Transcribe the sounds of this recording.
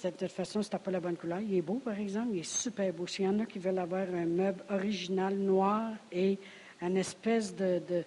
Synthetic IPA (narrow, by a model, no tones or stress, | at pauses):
sɛt̪sɛt̪fasɔ̃se̥t̪apɔlabɔnkulœːʁilɛbopaʁɛɡzɑ̃pilɛsypɛʁbosijɑ̃ːnakʲivœlavwaːʁɛ̃mœblɔʁiʒinalnwaːʁe | ɛ̃nɛspɛsd̪əd̪ə